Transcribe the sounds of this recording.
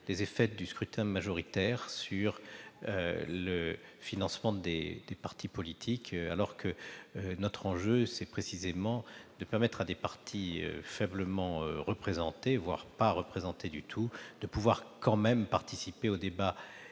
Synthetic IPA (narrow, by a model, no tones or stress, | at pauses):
d̪̥ezefɛt̚d̪yskχyt̪ʰɛ̃maʒɔʁit̪ɛʁsyʁøləfinɑ̃smɑ̃d̪ḛd̪̥epaʁt̪ʰipɔlit̪ʰika̰lɔʁkʰənɔt̪χɑ̃ʒøsɛpχesizemɑ̃d̪̥əpɛʁmɛt̪χad̪epaʁt̪ʰiø̰fɛbləmɑ̃ʁəpχezɑ̃t̪evwa̰ʁpaʁəpχezɑ̃t̪ed̪yt̪ʰud̪̥əpuvwaʁkɑ̃mɛmpaʁt̪isipeod̪eba